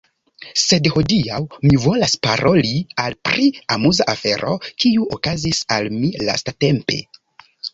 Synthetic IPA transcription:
se̞dho̞diawmivo̞laspaɾʔo̞lialpɾiamuzaʔafe̞ɾo̞̰kiuokazisalmila̰state̞mpe̞̰

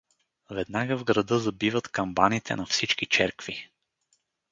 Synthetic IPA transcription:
vɛd̪naɡəvɡɾɐd̪ɤzɐbivət̪kɐmbanit̪ʰɛ̰nɐfsit͡ʃkit͡ʃɛɾkvi

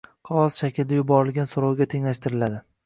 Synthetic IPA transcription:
qʰɒɒzʃakʲɪld̪ajʊbɒɾɪlɡʲansʊɾɒwɡʲat̪ʰe̞ŋlaʃt̪ɪɾɪlad̪ɪ

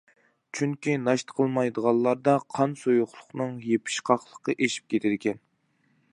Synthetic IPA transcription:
t͡ʃʰyŋkʲinɑʃt̪ə̥qʰəlˠmɑjd̪əʁɑlˠːɑɾd̪ɑqʰɑnsojuχlˠʊχnɨŋjepʰɪ̥ʃqʰɑχlˠəqəʔeʃi̥p̚kʲʰet̪ʰɪd̪ɪkʲʰɛn

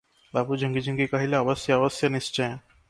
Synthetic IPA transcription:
bapud͡ʑʱəŋɡid͡ʑʱəŋɡikaɦilaəbəsjəːbəsjənist͡ʃəj̃

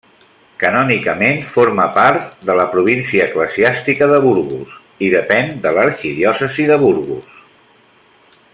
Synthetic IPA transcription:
kənɔnikəmenfoɾməpaɾt̪d̪ələpɾuβ̞insiəːkləziast̪ikəðəβuɾɣṵs | iðəpɛnd̪ələɾkiðiɔsəziðəβuɾɣṵs

